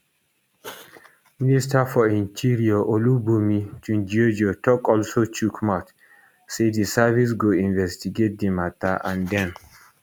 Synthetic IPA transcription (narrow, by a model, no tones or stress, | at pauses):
ministafɔĩntʰiɹiaʔolubumit͡ʃund͡ʒiod͡ʒotɔkɔlsot͡ʃukʰmat | sedisavis̬ɡoĩnvɛstiɡet̚d̪imat̪aʔãndɛ̃n